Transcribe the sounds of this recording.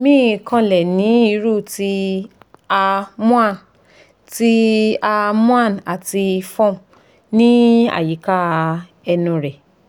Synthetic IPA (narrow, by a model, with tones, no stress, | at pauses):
mĩ˦˨kã˧lɛ˨nĩ˨˦i˧˦ɾu˦˨ti˧˦ | a˧mũ˦ã˦˨n | ti˦a˧mũ˦a˦˨n˨a˨ti˧fɔ̃˦˨ | nĩ˦a̰˦˨ji˨˦ka˦ | ɛ˧nũ˧ɾɛ˨